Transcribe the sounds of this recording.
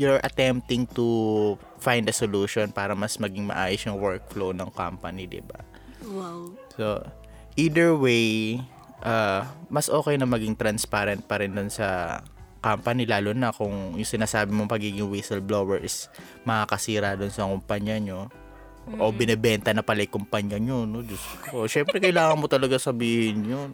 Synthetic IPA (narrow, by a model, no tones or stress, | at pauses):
juɐɹʔɐt̪ɛmp̚t̪ɪŋt̪u | fajnd̪ɐsoluːʃonpaːɾɐmɐsmɐɡɪŋmɐ̰ʔaːjʊsjʊŋwɛɹk̚flownɐŋka̰mpɐnid̪ɪ̰ba̰ | so | ʔiːd̪ɛɹwej | ʔamɐsʔo̞ːkɛjnɐmɐɡɪŋt̪ɾɐnspaɾɛnt̪̚pɐɾɪnd̪onsɐ | kampɐnilaːlunɐkʊŋjʊŋsɪnaːsaːbɪmoŋpɐɡiːɡɪŋwisɛlbloːwɛɹʔɪs | mɐŋakɐsiːɾad̪onsɐkʊmpɐɲjɐɲo̞ | ʔobɪnɛbɛnt̪ɐnɐpɐlɐjkʊmpɐɲjɐɲonod͡ʒʊskoʃɛmpɾɛkɐjlaːŋɐnmot̪ɐlɐɡasɐbiːhɪnjon